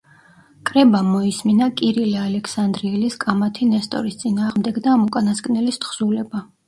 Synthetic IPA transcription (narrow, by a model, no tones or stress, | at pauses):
kʼɾɛbamɔisminakʼiɾilɛalɛkʰsand̪ɾiːliskʼamat̪ʰinɛst̪ʼɔ̰ɾist̪sʼinaːʁmd̪ɛɡd̪aːmukʼanasɡʼnɛlist̪χsulɛba